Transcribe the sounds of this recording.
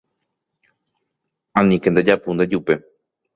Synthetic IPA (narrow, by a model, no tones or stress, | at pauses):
ãnĩkend̪ed͡ʒapund̪ed͡ʒupe̞